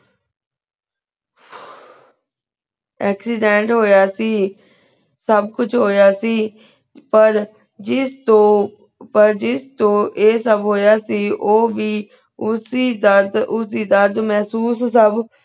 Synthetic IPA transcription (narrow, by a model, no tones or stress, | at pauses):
ɛːksiɖẽɳʈɦoːjaːsiː | sɐbʱkʊt͡ʃʰɦoːjaːsiː | pɐɾ | ɪt̪o | pɐɾd͡ʒɪst̪oːʔeːsəbʱɦoːjaːsiːʔoːbi | ʊsid̪əd̪ʊsiːd̪əɾd̪mɛɦsuːs̬səb